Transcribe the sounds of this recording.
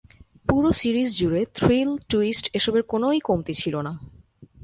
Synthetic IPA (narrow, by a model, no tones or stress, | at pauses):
puɾosiɾisd͡ʑuɾet̪ʰɾilʈuisʈeʃɔbeɾkonojkomt̪et͡ɕʰilona